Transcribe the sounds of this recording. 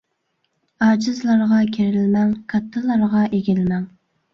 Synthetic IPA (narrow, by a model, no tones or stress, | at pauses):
ɑːd͡ʒɪzlˠɑɾʁɑkʲʰeɾɪlmɛŋkʰɑt̪ʰːɨlˠɑɾʁɑʔeɡʲɪlmɛŋ